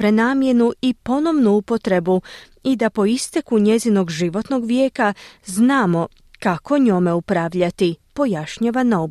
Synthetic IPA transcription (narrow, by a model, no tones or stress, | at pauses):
pɾenaːmje̞nuipo̞no̞ʋnuupo̞t̪ɾe̞bu | id̪apo̞ist̪ekuɲe̞zino̞ɡʒiʋo̞t̪no̞ɡʋje̞ːkaznaːmo̞ | kako̞ɲo̞me̞upɾaːʋʎat̪ipo̞jaʃɲaːʋanaob